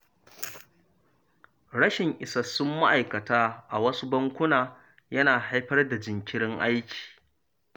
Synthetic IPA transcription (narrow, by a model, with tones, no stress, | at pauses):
ɽɐ˦ʃɪ˨ŋʔɪ˨sa˨sʊ˦mːa˦ʔa˨jkɐ˨taː˦ʔa˨wɐ˦su˦bɐ˦ŋkʷʊ˦naː˨ | jɐ˦naː˨ɦa˦jɸɐ˦rda˨d͡ʒɪ˨ŋkʲɪ˦ɽɪ˦ŋʔa˦jkʲi̥ː˨